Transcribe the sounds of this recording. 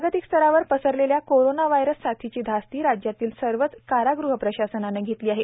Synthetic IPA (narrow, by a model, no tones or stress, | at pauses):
ɡət̪ikst̪ʰəɾaʋəɾpəsəɾleljakoɾonaʋajɾəsːat̪ʰit͡ɕiːd̪ʱast̪iːɾad͡ʑjat̪iːlsəɾʋət͡skaɾaɡɾuɦəpɾəɕasənaneɡʱet̪liːaɦe